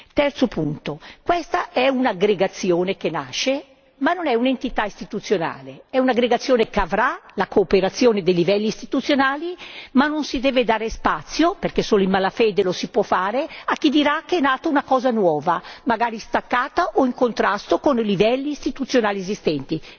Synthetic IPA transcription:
t̪ɛrt̪sopunt̪okwɛst̪aʔɛunaɡɾeɡat̪sːjoːnekena̰ʃe | manːonɛunent̪it̪aist̪it̪ut̪sːjona̰ːleɛunaɡɾeɡat̪sːjoːnekeavɾalakoːpeɾat̪sːjoːned̪ejlivɛlːiːst̪it̪ut̪sːjonaːlimanːonsid̪ɛːved̪aːɾespat̪sːjoperkesoːloimalafeːd̪elosipwɔfaːɾeak̟ːid̪iɾakːeɛnaːt̪ounakɔːzanwɔːvamaɡaːɾist̪akːaːt̪aʔoiŋkont̪ɾast̪okonlivɛlːiːst̪it̪ut̪sːjonaːliezist̪ɛnt̪i

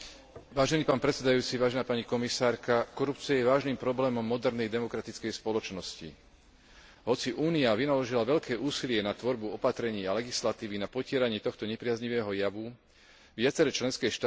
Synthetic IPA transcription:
ʋaːʒɛniːpaːnpɾɛt̪sɛd̪ajuːt͡siʋaːʒɛnaːpaɲikɔmisaːɾkakɔɾup̚t͡siajɛʋaːʒniːmpɾɔblɛːmɔmːɔd̪ɛɾnɛjd̪ɛmɔkɾat̪it͡skɛjspɔlɔt͡ʃnɔscḭ | ɦɔt͡siʔuːniaʋinalɔʒilaʋɛʎkɛːʔuːsilɪɛnat̪ʋɔɾbuɔpat̪ɾɛɲiːalɛɡislat̪iːʋinapɔcɪɛɾaɲiːt̪ɔxt̪ɔɲɛpɾɪazɲiʋɛːɦɔjaʋu | ʋɪat͡sɛɾɛt͡ʃlɛnskɛʃt̪aː

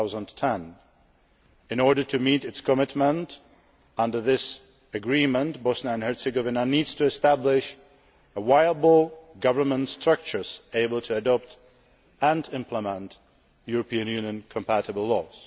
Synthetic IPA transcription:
zə̃ntʰɛ̃n | ɨ̃nɔɹɾə˞tʰɨmiɾɨtskʰəmɪtmə̃nt | ʌ̃ndə˞ðɪs | ɨɡɹĩmə̃ntbɔsnəɨ̃nhɛ˞sɪɡovɨnənidz̥tʰɨːstæblɪʃ | əwaɪəbl̩ˠɡʌvə˞mə̃ntstɹ̥ʌk̚t͡ʃə˞z̥eɪbəl̩ˠtʰɨːdɔp̚t | ə̃nɪ̃mpʰləmə̃nt | juɹəpiɨ̃njʉ̃njɨ̃nkʰə̃mpʰæɾəbl̩ˠlɔz̥

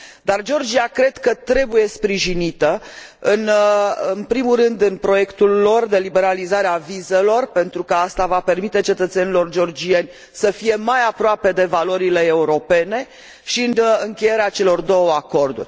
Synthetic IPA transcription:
d̪ard͡ʒo̞rd͡ʒiakɾe̞d̪kət̪ɾe̞buje̞spɾiʒinit̪əɨnɨnpɾimurɨnd̪ɨnpɾo̞je̞kt̪ulːo̞rd̪e̞libe̞ɾalizaɾeavize̞lo̞rpe̞nt̪ɾukəast̪avape̞rmit̪e̞t͡ʃe̞t̪ət̪se̞nilo̞rd͡ʒo̞rd͡ʒienʲ | səfije̞majapɾoape̞d̪e̞valo̞ɾile̞ːuɾo̞pe̞ne̞ | ʃiɨnɨŋkʲe̞je̞ɾeat͡ʃe̞lo̞rd̪o̞wəako̞rd̪ṵrʲ

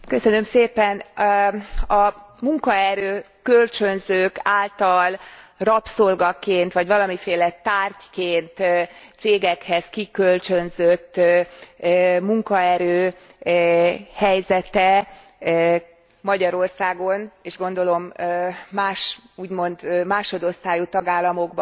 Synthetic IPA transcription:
kø̞sø̞nø̞mseːpɛn | ɒmuŋkɒɛɾøː | kølt͡ʃønzøːkaːlt̪ɒlrɒpsolɡɒkeːnt̪ʋɒɟʋɒlɒmifeːlɛt̪aːrckeːnt̪seːɡɛkhɛskikølt͡ʃø̞nzøt̪ː | muŋkɒɛɾøː | hɛjzɛt̪ɛ | mɒɟɒɾo̞rsaːɡo̞neːʒɡo̞nd̪o̞lo̞mː | aːʃuːɟmo̞nd̪maːʃod̪o̞st̪aːjut̪ɒɡaːlːɒmo̞ɡb

